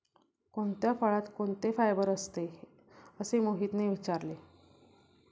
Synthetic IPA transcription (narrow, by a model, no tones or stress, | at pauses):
koɳt̪jafəɭat̪koɳt̪efajbəɾəst̪e | əsemoɦit̪neʋit͡ɕaɾle